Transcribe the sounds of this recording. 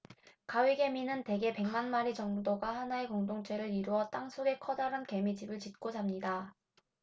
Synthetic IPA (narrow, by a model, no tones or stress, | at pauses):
kawiɡe̞minɯnte̞ɡe̞pe̞ŋmanmaɾit͡ɕʌŋudoɡahanae̞koŋdoŋt͡ɕ͈ʰe̞ɾɯɾiɾuʌt͈aŋsʰoɡe̞kʰʌdaɾanke̞mid͡ʑibɯɭt͡ɕit̚k͈od͡ʑamɲida